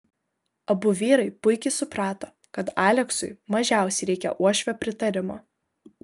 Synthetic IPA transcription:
ɐbʊʋʲiːɾɐɪpʊɪkʲɪsʊpɾɑːt̪oː | kɐt̪ɑːlʲɛksʊɪmɐʒʲæˑʊsʲɛɪɾʲɛɪkʲɛ̰ʔuɔʃʲʋʲɛpʲɾʲɪt̪ɐɾʲɪmoː

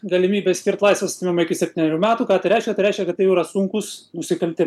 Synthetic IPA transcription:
ɡɐlʲɪmʲiːbʲeːsʲkʲɪɾrt̪lˠɐɪsʋʲɛssʲt̪ʲɪmʲɪmɐɪkʲɪsʲɛpʲt̪ʲiːnʲɛɾʲuːmʲæːt̪uːkɑːt̪ɐɪɾʲɛɪʃkʲɛt̪ɐɪɾɛɪʃʲkʲɛkɐt̪tɐɪjɾɐsʊŋkʊsnʊsʲɪkɐlʲt̪ʲɪm

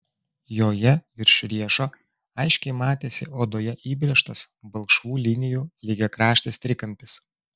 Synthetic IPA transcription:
joːjɛʋʲɪɾʲʃʲʊɾʲiɛʃoː | ɐɪʃʲkʲɛɪmɑːt̪ʲeːsʲɪʔoːd̪oːjɛʔiːbʲɾʲɛʃt̪ɐsbɐlˠkʃʋuːlʲɪnʲɪjuːlʲɪɡʲɛkɾɑːʃʲt̪ʲeːst̪ʲɾʲɪkɐmʲpʲɪs

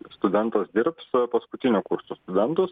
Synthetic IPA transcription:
st̪ʊd̪ʲɛnt̪ɐsd̪ʲɪɾpspɐskʊt̪ʲɪnʲʊkʊɾsoːst̪ʊd̪ʲɛnt̪ʊs

